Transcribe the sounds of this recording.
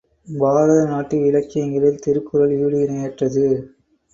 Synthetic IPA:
baːɾɐðɐnaːʈːɯɪɻɐkːɪjɐŋɡɐɭɪlt̪ɪɾɯkːɯɾɐliːɽɯɪnɐjɐʈrɐðɯ

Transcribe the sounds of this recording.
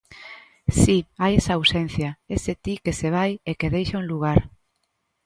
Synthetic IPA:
siajesɐawsen̟θjɐeset̪ikeseβ̞ajekeðejʃauŋluɣ̞aɾ

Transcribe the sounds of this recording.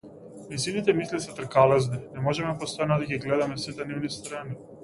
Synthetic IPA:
misinit̪ɛmislisɛt̪r̩kalɛzninɛmɔʒɛmɛpɔst̪ɔjand̪aɡiɡlɛd̪amɛsit̪ɛnivnist̪ɾani

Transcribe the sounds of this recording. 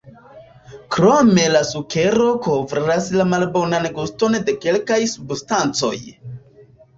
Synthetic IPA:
kɾome̞lasukʰe̞ɾo̞kovɾiɾaslamalbo̞nanɡusto̞nde̞ke̞lkajsubstant͡so̞̰j

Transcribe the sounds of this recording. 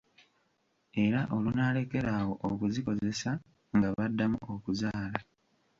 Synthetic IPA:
e̞ɾaʔo̞lunaːle̞ke̞ɾaːwo̞ʔokuziko̞ze̞sa | ŋɡaβadːamuo̞kuzaːla

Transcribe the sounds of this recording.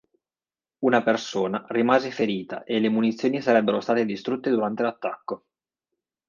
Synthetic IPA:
unapersoːnarimaːzefeɾiːt̪a̰ʔelemunit̪sːjoːnisaɾɛbːeɾost̪aːt̪ed̪ist̪ɾut̪ːed̪uɾant̪elat̪ːakːo

